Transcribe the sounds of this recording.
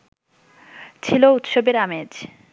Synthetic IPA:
t͡ɕʰilout̪ʃobeɾamed͡ʑ

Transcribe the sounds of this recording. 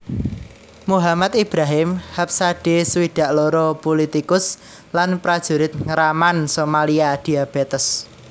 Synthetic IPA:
muɦamat̪ib̥ɾaɦɪmhap̚saɖ̥esəwiɖ̪̥a̤ʔlɔɾɔpolit̪ikʊs | lanpɾad̥ʒ̥ṳɾɪt̪̚ŋəɾamansomaliad̪̥iab̥ɛt̪əs

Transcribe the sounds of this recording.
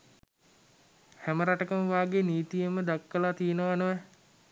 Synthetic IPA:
hæməɾaʈəkəməʋaːɡeniːt̪ijəməd̪akːəlat̪ijənəʋanəʋɛ

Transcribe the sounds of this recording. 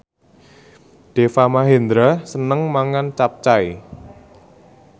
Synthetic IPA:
ɖ̥efamaɦend̪ɾasənəŋmaŋant͡ʃap̚t͡ʃai

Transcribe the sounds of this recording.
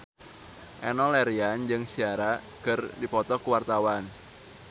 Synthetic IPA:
ʔɛnɔlɛɾiand͡ʒɨŋsiaɾa | kərdipɔt̪ɔkuwart̪awan

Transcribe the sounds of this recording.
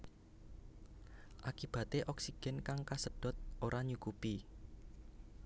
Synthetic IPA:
ʔakib̥a̤t̪eʔɔksiɡ̥ɛ̤nkaŋkasəɖ̥ɔ̤t̪̚oɾʔaɲukupi

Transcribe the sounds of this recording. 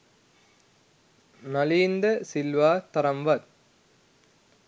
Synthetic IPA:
nɐliːnd̪ɐsilʋaːt̪ɐɾɐmʋɐɾ

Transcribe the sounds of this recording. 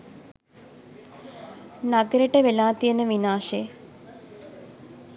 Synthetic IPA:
nɐɡɐɾiʈːeʋelaːt̪ːijenːɨʋinaːʂe

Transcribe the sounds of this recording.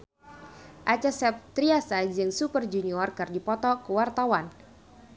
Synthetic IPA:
ʔat͡ʃasɛp̚t̪ɾiasad͡ʒɨŋsupərd͡ʒuniɔrkərdipɔt̪ɔkəwart̪awan

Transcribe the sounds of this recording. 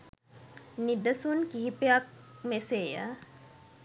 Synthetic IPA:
nid̪əsunkiɦipeak̚meseːjə̰

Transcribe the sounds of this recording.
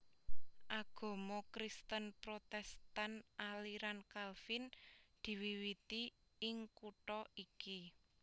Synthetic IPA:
ʔaɡ̥ɔ̤mɔkɾist̪ənpɾot̪ɛst̪anʔaliɾankalfɪnd̪̥i̤wiwit̪iɪŋkuʈɔiki

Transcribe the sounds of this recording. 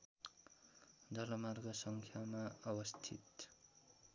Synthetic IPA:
d͡zʌlʌmarɡʌsʌŋkʰjamaʌbʌst̪ʰḭt̪

